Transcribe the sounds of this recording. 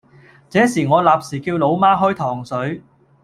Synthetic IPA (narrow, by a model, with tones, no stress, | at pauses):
t͡sɛː˨˥siː˨˩ŋɔː˨˧laː˨p̚siː˨˩kiː˧wlo˨˧wmaː˥ɦɔː˥jt̪ʰɔː˨˩ŋsɵ˨˥ɥ